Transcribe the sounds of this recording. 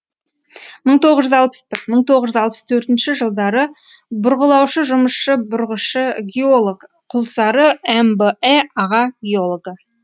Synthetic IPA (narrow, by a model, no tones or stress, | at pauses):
məɴt̪ʰo̞ʁəzʒʏzɑlˠpə̥sbɪɾməɴt̪ʰo̞ʁəʒʏzɑlˠpə̥st̪ʰɵɾt̪ɪnʃɪʒəlˠd̪ɑɾə | bʊɾʁəlˠɑwʃəʒʊməsʃəbʊɾʁəʃəɡʲeolˠoɡ | qʰʊlˠsɑɾəembəeɑʁɑɡʲeolˠoɡə